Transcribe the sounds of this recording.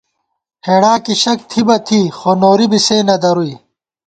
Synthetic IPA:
heːɽaːkiɕɐk̚t̪ʰibɐt̪ʰiːxoːnoːɾibiseːnɐd̪ɐɾui

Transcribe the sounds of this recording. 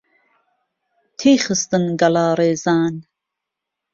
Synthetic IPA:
t̪ʰiːχɨst̪ɨnɡɐlɑːɾeːzɑːn

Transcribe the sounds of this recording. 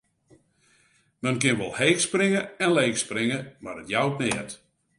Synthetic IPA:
mɛnkɪnʋɔlˠheːksprɪŋəɛnleːksprɪŋəmadətjawtnɛət

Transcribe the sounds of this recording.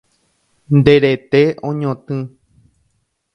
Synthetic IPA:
nd̪eɾet̪eõɲõt̪ɨ̃

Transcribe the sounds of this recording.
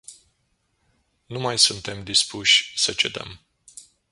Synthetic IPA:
numajsunt̪e̞md̪ispuʃʲsət͡ʃe̞̰d̪ə̰m

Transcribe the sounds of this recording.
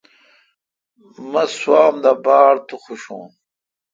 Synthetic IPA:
mɐswaːmd̪abaːɽt̪uχuɕṵ̃ː

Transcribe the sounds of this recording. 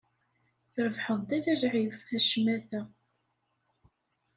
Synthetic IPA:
θɾəvħəðˤd̪ælælʕivæʃəmːæθæ

